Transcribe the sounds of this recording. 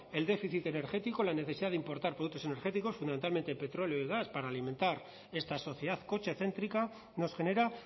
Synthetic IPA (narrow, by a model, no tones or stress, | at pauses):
e̞ld̪e̞fiθit̪e̞ne̞ɾxe̞t̪iko̞lane̞θe̞siðaðimpo̞ɾt̪aɾpɾðukt̪osene̞ɾxe̞t̪iko̞sfund̪ament̪alme̞nt̪e̞pe̞t̪ɾo̞leo̞iɣ̞aspaɾaːlimẽ̞nt̪aɾ | e̞st̪aso̞θjeðaðko̞t͡ʃeθe̞nt̪ɾika | no̞sxe̞ne̞ɾa